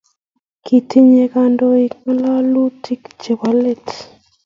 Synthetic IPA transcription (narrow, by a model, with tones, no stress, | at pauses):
kʰi˨t̪ʰi˦ɲe˨ka˦ndo˦i˨k̚ma˦la˦lu˦ti˦kd͡ʒe˨ba˨le˦t